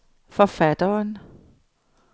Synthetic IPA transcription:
fɒfæd̥ɐn

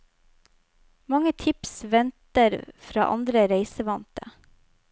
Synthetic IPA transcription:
mɑŋət̪ʰɪpsʋɛnt̪əɾfɾɑ̰ːʔɑ̰nd̪ɾəɾeɪsəʋɑnt̪ə

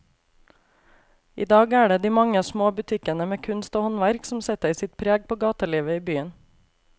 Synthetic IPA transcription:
ḭːd̪ɑːɡæːɖeːd̪iːmɑŋəɑːsmoːbʉt̪ʰɪkənəmeːkʰʉnst̪oːhɔnʋæɾksm̩sɛt̪əɪsɪt̪̚pʰɾeːɡ̚poːɡɑːt̪əliːʋəiːbyːən

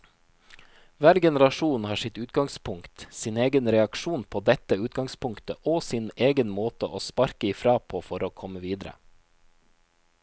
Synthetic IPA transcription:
ʋæːɾɡɛnəɾɑʃuːnhɑːʂɪt̪ʉːt̪ɡɑŋspʰʊŋkt̪sɪneːɡənɾɛɑkʃuːnpʰoːd̪ɛt̪əʉːt̪ɡɑŋspʊŋkt̪əʔoːsɪneːɡənmoːt̪əʔo̰ːspɑɾkəiːfɾɑːpʰoːfɔɾoːkʰɔməʋiːd̪ɾə̰

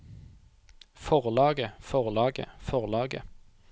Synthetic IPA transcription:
fɔʁlɑːɡəfɔʁlɑːɡə̰fɔʁlɑːɡə̰

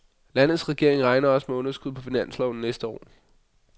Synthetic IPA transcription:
læn̰ð̩ˠsʁɛɡ̥e̝ɐeŋʁɑ̈ɪnɐɒ̽smeɔ̽nɐsɡ̥uðˠpʰɒ̽finæn̰slɐʊnɐnesd̥əɒ̰ː

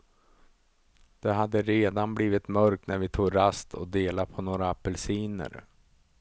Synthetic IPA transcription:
d̪̥ɛɦad̪ːəɾeːd̪anbliːvɪt̪mœɾk̚t̪næɾvɪt̪ʰuːɡɾast̪ʰɔ̰d̪eːlapʰɔnoːɾapʰɛlsiːnə̰ɾ

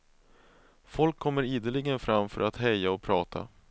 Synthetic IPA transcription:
fɔlkʰːɔmːəɾiːd̪əlɪɡənfɾamːfœ̰ɾʔat̪hɛjːaɔpʰɾɑːt̪ʰa̰

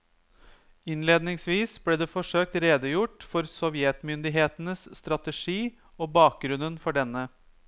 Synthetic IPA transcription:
ɪnleːd̪nɪŋsʋiːsbleːd̪eːfɔʂøːk̚t̪ɾeːd̪əjʊʈfɔɾsɔʋɪɛt̪mʏnd̪ɪɦeːt̪ənəsst̪ɾɑt̪əʂiː | oːbɑːk̚ɡɾʉnənfɔɖɛnːə

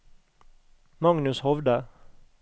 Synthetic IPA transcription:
mɑŋnʉshɔʋd̪ə

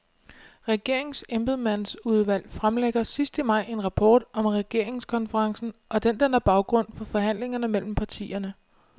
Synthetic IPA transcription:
ʁɛɡ̥e̝ɐ̰e̝ŋsemb̥ð̩ˠmæn̰suð̞ˠʋæl̰fʁamleɡ̥ɐsisd̥əmɑ̈ɪ̰e̝nʁɑ̈pʰɒ̰ːd̥ɒ̽mʁɛɡ̥e̝ɐ̰e̝ŋskʰɒ̽nfəʁɑ̈ŋsn̩ʔɒ̽d̥end̥enæɐb̥ɑ̈ʊɡ̥ʁɔ̽n̰fɒ̽fɒ̽ɦæn̰le̝ŋɐnəmel̰m̩pʰɑ̈t͡sʰḭːɐnə

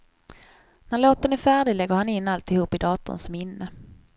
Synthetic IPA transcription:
næɭoːt̪ənæɾfæːɖɪlɛɡːəɾhanɪnːalt̪ɪhuːpːɪd̪ɑːt̪ʊ̰nsɔmɪnːə

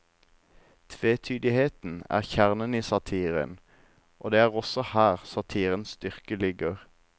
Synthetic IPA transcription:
t̪ʰʋeːt̪ʰyːd̪ɪheːt̪n̩æ̰ːʁçæʁnəniːsɑt̪ʰiːʁə̰n | ʔo̰ːd̪eːæːʁɔsɔhæːʁsɑt̪ʰiːʁənsst̪ʏʁkəlʏɡəʁ

